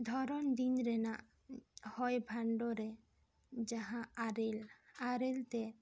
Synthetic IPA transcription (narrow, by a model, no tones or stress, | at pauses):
d̪ʱɔɾɔnd̪inɾɛnaʔ | hɔjbʱaɳɖoɾe | d͡ʒaɦãɾelaɾelt̪e